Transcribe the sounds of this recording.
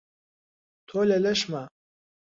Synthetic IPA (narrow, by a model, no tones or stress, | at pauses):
t̪ʰolɛlɛʃma